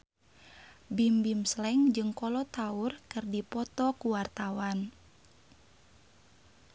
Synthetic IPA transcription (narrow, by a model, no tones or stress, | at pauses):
bimbimslɛŋd͡ʒɨŋkɔlɔt̪aurkɨrdipɔt̪ɔkuwart̪awan